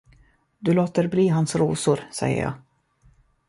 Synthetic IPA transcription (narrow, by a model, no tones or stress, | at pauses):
d̪ɵloːt̪əɾbliːɦansɾuːsʊɾsɛ̰jə̰ɾjɑ̰ː